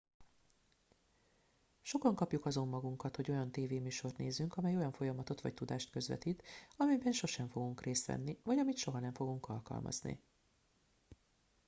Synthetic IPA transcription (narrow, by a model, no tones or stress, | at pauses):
ʃo̞kɒŋkɒpjukɒzo̞mːɒɡuŋkɒt̪ho̞ɟo̞jɒnt̪eːveːmyːʃo̞rt̪neːzːyŋkɒmɛjo̞jɒɱfo̞jɒmɒt̪o̞t̪ʋɒ̰c̚t̪ud̪aːʃt̪kø̞zvɛ̰t̪iːt̪ɒmɛbɛnʃo̞ʃɛɱfo̞ɡuŋkreːst̪ʋɛ̰nːivɒɟɒmit̪ʃo̞ɦɒnɛɱfo̞ɡuŋkɒlkɒ̰lmʔɒ̰znḭ